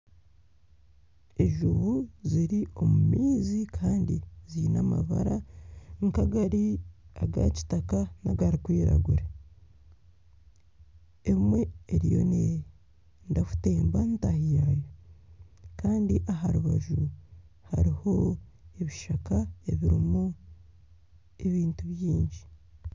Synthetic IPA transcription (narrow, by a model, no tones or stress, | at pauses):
eʒuβuziɾio̞mumiːzikʰaːndiziːnama̰βa̰ɾaŋkaɡaɾiaɡa̰ci̥takanaɡaɾikwiːɾa̰ɡuɾe | emwe̞ːɾijo̞̰ne | ndafu̥te̞ːmbantahijajo | kaːndiʔaɦaɾuβaʒu | haɾiho̞e̞βiʃakaeβiɾimu | e̞βiːntuβjiːɲɟi